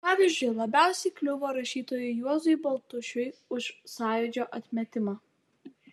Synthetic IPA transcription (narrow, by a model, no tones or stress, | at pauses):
pɑːʋʲizʲd͡ʒʲʊɪlˠɐbʲæˑʊsʲɛɪklʲʊʋoːɾɐʃʲiːt̪oːjʊɪjuɔzʊɪbɐlˠt̪ʊʃʲʊjʊʃsɑːjʊd͡ʒʲoːʔɐt̪ʲmʲɛt̪ʲɪmɑː